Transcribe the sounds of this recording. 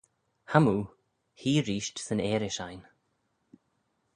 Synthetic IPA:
hamuː | hiːɾiːʃtsənɛːɾɪʃajn

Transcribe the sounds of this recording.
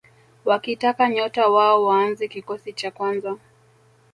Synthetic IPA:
wakitakaɲɔtawaɔwaːnzɛkikɔsit͡ʃakwanza

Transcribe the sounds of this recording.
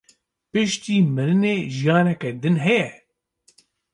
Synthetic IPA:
pɨʃt̪iːmɨɾɨneːʒijɑːnɛkɛd̪ɨnɦɛjɛ

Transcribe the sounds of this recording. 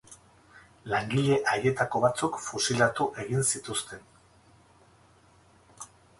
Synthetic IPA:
laŋɡiʎe̞ʔajje̞t̪ako̞βat͡sukfusilat̪uʔe̞ɣinsit̪ust̪e̞n

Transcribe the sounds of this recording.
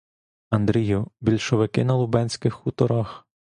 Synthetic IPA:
ɐnd̪ɾʲijʊbʲilʲʃɔʋɪkɪnɐlˠʊbɛnʲsʲkɪxːut̪ɔɾɑx

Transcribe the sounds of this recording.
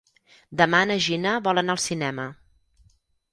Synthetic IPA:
d̪əmanəʒinəβɔlˠənalˠsinɛmə

